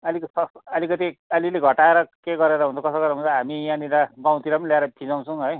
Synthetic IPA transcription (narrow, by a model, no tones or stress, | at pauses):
ʌliksʌʌlikʌt̪iʌlileɡʱʌʈaeɾʌkeɡʌɾeɾʌɦunt͡sʰokʌsʌɡʌɾeɦũnt͡sʰʌɦamianiɾabaw̃t̪iɾamnljaeɾʌt̪ʰid͡zaw̃t͡sʰʌw̃ɦʌj